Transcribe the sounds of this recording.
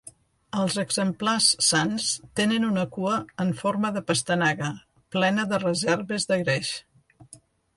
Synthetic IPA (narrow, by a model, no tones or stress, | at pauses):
əlˠzəɡzəmplasːanst̪enənunəkuəːɱfoɾməðəpəst̪ənaɣə | plɛnəðərəzɛɾβəzðəɣɾeʃ